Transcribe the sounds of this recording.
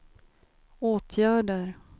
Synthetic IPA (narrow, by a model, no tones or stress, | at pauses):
oːt̪ʰjæːɖəɾ